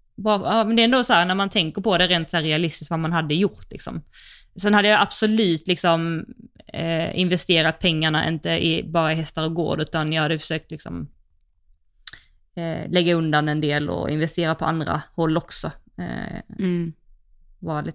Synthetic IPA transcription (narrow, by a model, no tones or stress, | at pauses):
bɾɑːjɑːmɛnd̪ɛɾɛnd̪oːsɔhæːɾnæɾmant̪ʰɛŋkəɾpɔd̪ɛɾeːnt̪sæːɾɛalɪst̪ɪsk̪vamanɦad̪ːəjʊɾt̪lɪ̰ksɔ̰msɛnhad̪ːəjaʔab̥sɔlʉ̟ːt̪lɪksɔm | ɪnvɛst̪eːɾat̪̚pʰɛŋːaɳaʔɪ̰nt̪əʔɪ̰bɑːɾaɪɦɛst̪aɾɔɡo̰ːɖʉ̟ːt̪anjɑhad̪ːəfœ̥ʂøːk̚t̪lɪksɔ̰m | lɛɡːaɵnd̪anɛnd̪eːlɔ̰ɪ̰nvɛst̪eːɾapʰɔa̰nd̪ɾa̰hɔlːɔksɔ̰ | vɑːɾalɪt̪